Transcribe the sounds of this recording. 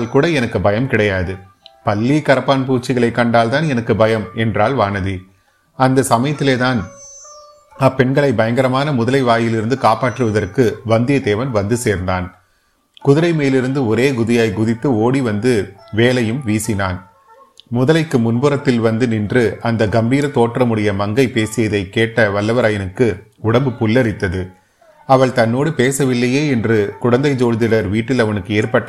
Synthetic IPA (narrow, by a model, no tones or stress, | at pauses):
lkuːɽɐɛnɐkːɯbɐjɐmkɪɽɐjaːðɯ | pɐlːikɐɾɐpːaːnp̬uːʈt͡ʃːɪɣɐɭɐɪkːɐɳɖaːlt̪aːnɛnɐkːɯbɐjɐmɛndraːlʋaːnɐði | ɐnd̪ɐsɐmɐjɐt̪ːɪleːt̪aːn | ɐpːɛɳɡɐɭɐɪbɐjɐŋɡɐɾɐmaːnɐmʊðɐlɐɪʋaːjɪlɪɾɯnd̪ɯkaːpaːʈrɯʋɐðɐrkɯʋɐnd̪ɪjɐd̪eːʋɐnʋɐnd̪ɯseːɾnd̪aːn | kʊðɪɾɐɪmeːlɪɾɯnd̪ɯɔɾeːɡʊðɪjaːɪɡʊðɪt̪ːɯoːɽiʋɐnd̪ɯʋeːlɐjɯmʋiːsɪnaːn | mʊðɐlɐɪkːɯmʊnbɯɾɐt̪ːɪlʋɐnd̪ɯnɪndrɯʔɐnd̪ɐɡɐmbiːɾɐt̪oːʈːrɐmɯɽɐjɐmɐŋɡɐɪpeːsɪjɐðɐɪkːeːʈːɐʋɐlːɐʋɐɾaːjɐnɯkːɯ | ʊɽɐmbɯpʊlːɐɾɪt̪ːɐðɯ | ɐʋɐɭt̪ɐnːoːɽɯpeːsɐʋɪlːɐjeːɛndrɯkʊɽɐnd̪ɐɪd͡ʒoːlðɪɽɐɾʋiːʈːɪlɐʋɐnɯkːɯeːɾpɐʈː